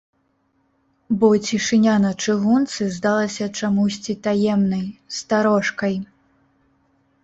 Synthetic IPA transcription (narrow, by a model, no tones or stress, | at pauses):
bɔt͡sʲiʂɨnʲanɐt͡ʂɨɣunt̪sɨzd̪alˠɐsʲɐt͡ʂamusʲt͡sʲit̪ajɛmnɐjst̪aɾɔʂkɐj